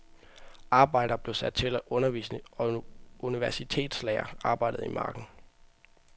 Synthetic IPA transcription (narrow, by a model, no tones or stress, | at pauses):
ʔɑ̈ːb̥ɑ̈ɪ̰d̥ɐːb̥le̝ʊsæd̥̚t͡sʰe̝læʔɔ̽nɐʋḭːsnə | uniʋæɐsit͡sʰe̝̰ːd̥slɛ̰ːɐɑ̈ːb̥ɑ̈ɪ̰d̥ð̩ˠimʔɑ̰̈ːɡ̥n̩